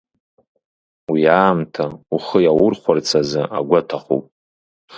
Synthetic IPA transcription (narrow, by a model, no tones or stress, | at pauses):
wiaːmtʰauχəjawʊrχʷart͡sʰazɨʔaɡʷatʰaχṵpʼ